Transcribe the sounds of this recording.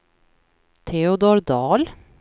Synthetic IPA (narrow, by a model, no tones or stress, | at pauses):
t̪ʰɛʊd̪oːɾd̪ɑːl